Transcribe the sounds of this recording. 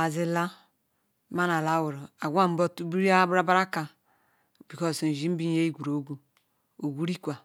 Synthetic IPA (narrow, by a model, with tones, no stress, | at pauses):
a˨zi˨la˦ | ma˦na˨la˦wu˨ɾo˨a˨ɡʷa˦˨m̩˦bo˦˨tu˦bi˦ɾi˦a˦bɾa˦ba˦ɾa˦ka˨ | bi˨kɔ˦sn̩˨d͡ʒi˦m̩˦bi˦n˦je˦i˦ɡu˨ɾo˨˦ɡʷu˨ | o˨ɡʷu˦ɾi˦kʷa˨